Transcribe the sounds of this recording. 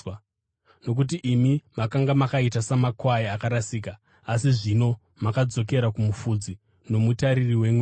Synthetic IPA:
no̞k̬ut̬iʔimimakaŋɡamakaitasamakwajiakaɾasiːkaː | siʐino̞ | makad͡zo̞k̬e̞ɾakumufud͡zi | no̞mutaɾiriwemwe

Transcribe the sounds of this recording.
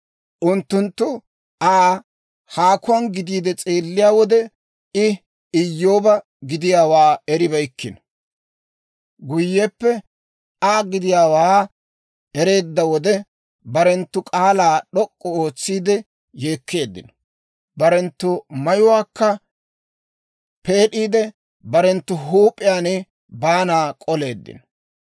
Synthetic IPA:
ʔʊnt̪ːʊnt̪ːʊ | ʔaː | haːkʊwɐnɡɪd̪iːd̪ɛt͡sʼeːlːɪjaːwɔd̪ɛ | ɪ | ɪjːo̞ːbɐ | ɡɪd̪ɪjaːwaːɛɾɪbɐjkːɪnɔ̥ | ɡʊjːɛpːɛ | aːɡɪd̪ɪjaːwaː | ɛɾe̞ːd̪ːɐwɔd̪ɛ | bɐɾɛnt̪ːʊkʼaːlaːɗɔkʼːɔo̞ːt͡sːiːd̪ɛ | je̞ːkʰːe̞ːd̪ːɪ̰nɔ̥ | bɐɾɛnt̪ːʊmɐjʊwaːkːɐ | peːɗiːd̪ɛ | bɐɾɛnt̪ːʊɦuːpʼːɪjaːnɛ | baːnaːkʼɔle̞ːd̪ːɪ̰nɔ

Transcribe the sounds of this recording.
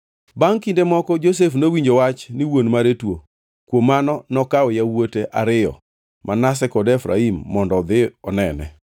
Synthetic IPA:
baŋkindemɔkɔd͡ʒos̬efnowiɲd͡ʒowat͡ʃnɪwonmaɾetwo | kwomːanɔnɔkaɔjawoteʔaɾɪjɔ̰ | mʔanas̬ɛkɔdɛfɾa̰imːɔndɔd̪ɪɔnɛnɛ̰

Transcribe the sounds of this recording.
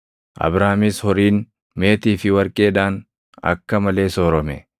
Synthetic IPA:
ʔɐ̰bɾaːmishɔɾiːn | me̞ːt̪iːfɪwɐɾkʼe̞ːd̪aːn | ɐ̰kːɐmɐle̞ːsoːɾɔmɛ

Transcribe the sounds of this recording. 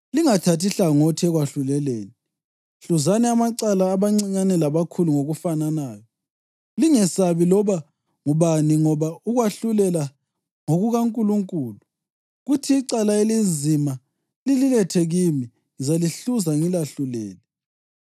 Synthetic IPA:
liŋatʰatiɬaŋɔtʰiɛɣwaɬulɛleːni | ɬuzanɛamaǀalaːβaŋ͡ǀiɲanɛlaβakʰuluŋoɣufananaːjɔ | liŋɛsaβilɔβa | ŋuβaniŋɔβauɣwaɬulɛla | ŋoɣuɣaŋkʼuluŋkʼuːlu | ɣutʰiːǀalaelizima | lililɛtʰɛɣimi | zaliɬuzaŋilaɬulɛ̰ːlɛ

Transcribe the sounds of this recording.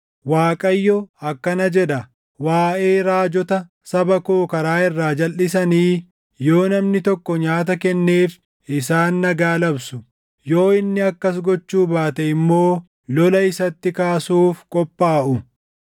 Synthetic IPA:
waːkʼɐjːɔɐkːɐnɐd͡ʒɛᶑɐ | waːʔe̞ːɾaːd͡ʒɔt̪ɐ | sɐbɐkoːkɐɾaːɪrːaːd͡ʒɐlːɪsɐniː | jo̞ːnɐmnɪt̪ɔkːɔɲaːt̪ɐkɛnːe̞ːf | ʔɪsaːnːɐɡaːlɐbsʊ | jo̞ːɪnːɪɐkːɐs̬ɡɔt͡ʃːuːbaːt̪ɛɪmːo̞ː | lɔlɐɪsɐt̪ːɪkaːsuːfkʼɔpʼːaːʔʊ

